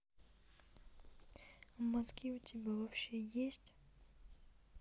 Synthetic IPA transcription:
mɐzɡʲiutʲʰibʲavapɕejesʲtʲ

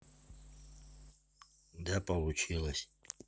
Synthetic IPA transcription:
d̪apʼɐlˠut͡ʃʰilˠɐsʲ

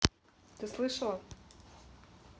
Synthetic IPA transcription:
t̪ɨslˠɨʂɐlˠɐ

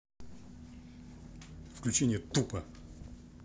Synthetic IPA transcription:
fklʲʉt͡ɕenʲɪjət̪upə

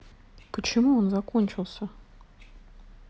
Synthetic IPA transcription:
pət͡ʃɪmuonzakonʲt͡ʃɪlˠsʲɐ

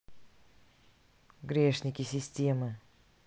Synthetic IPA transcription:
ɡɾʲe̞ʂnʲɪkʲɪsʲɪsʲtʲe̞mɨ

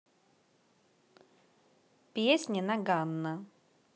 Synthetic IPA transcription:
pʲjesʲnʲɪnɐɡanːə

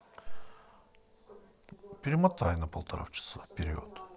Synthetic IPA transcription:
pʲiɾmat̪ʰajnapʰolˠt̪ʰaɾa̰ft͡ʃʰḁsˠapʲʰeɾʲio̰t̪

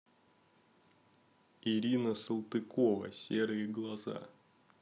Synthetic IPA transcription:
iɾʲinəsəlˠt̪ɨkovə̰sʲeɾɨjɪɡlˠɐza̰

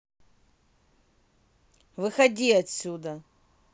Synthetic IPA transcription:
vɨxɐdʲiɐtsʲud̪ɐ

